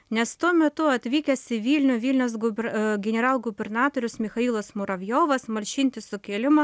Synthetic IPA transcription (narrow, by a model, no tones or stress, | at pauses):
nʲɛst̪uɔmʲɛt̪ʊɐt̪ʲʋʲiːkʲɛsʲɪʋʲiːlʲnʲʊʋʲiːlʲnʲɛʊs̬ɡʊbʲɡʲɛnʲɛɾɑːlˠɡʊbʲɛrnɑːt̪oːɾʲʊsmʲɪxɐiːlˠosmʊɾɐʋʲjoːʋɐsmɐlʲʃʲɪnʲt̪ʲɪsʊkʲeːlʲɪmɐ